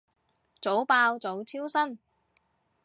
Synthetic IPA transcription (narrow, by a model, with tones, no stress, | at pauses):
t͡so˨˥wpaː˧wt͡so˨˥wt͡sʰiː˥wsɐ˥n